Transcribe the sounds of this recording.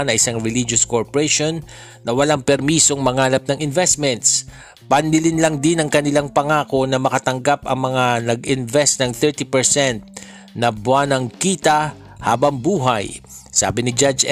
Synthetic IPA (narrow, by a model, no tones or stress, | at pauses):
nɐʔɪsaŋɹɛlid͡ʒoskoɹpoɾɛʃonː | ɐwɐlaŋpɛɾmiːso̞ŋmɐŋaːlɐp̚nɐŋɪnvɛst̪̚mɛnt̪s | pɐnːɪlɪnlɐŋd̪ɪnɐŋkɐnɪlaŋpɐŋaːko̞nɐmɐkɐt̪ɐŋɡapɐ̰ŋmɐŋanɐɡɪnvɛst̪nɐŋθɛɹt̪ipɛɹsɛnt̪̚ | nɐbwanɐŋkiːt̪ɐ | ha̰ːbɐŋbuːɦaj | sa̰ːbɪnɪd͡ʒad͡ʒ